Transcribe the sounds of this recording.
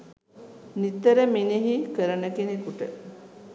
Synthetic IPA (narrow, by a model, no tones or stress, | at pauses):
nit̪ːəɾəminiɦikəɾənəkenikuʈə